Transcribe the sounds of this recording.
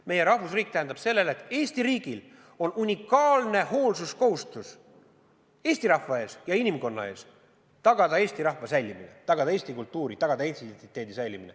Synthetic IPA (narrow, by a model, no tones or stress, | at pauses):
me̞je̞ɾɑhvusriːk̚t̪æhend̪ɑb̥se̞lːe̞let̪ːˑe̞ːsʲt̪iɾiːɡil | o̞nunʲikːˑɑːlne̞ho̞ːlsusko̞hust̪us | e̞ːsʲt̪iɾɑhvɑe̞ːsjɑinʲimko̞nːɑ̰e̞ːs | t̪ɑɡ̥ɑd̪ɑe̞ːsʲt̪iɾɑhvɑsæjlʲːiminḛt̪ɑɡ̥ɑd̪ɑeːst̪ikult̪ːuːɾit̪ɑɡ̥ɑd̪ɑint̪id̪ent̪it̪ːˑe̞ːd̪isæjlimine